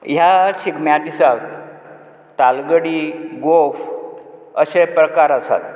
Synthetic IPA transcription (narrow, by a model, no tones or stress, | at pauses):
jaɕiɡmjad̪isa | t̪alɡəɽiɡof | əɕepɾəkaɾasa̰t̪̚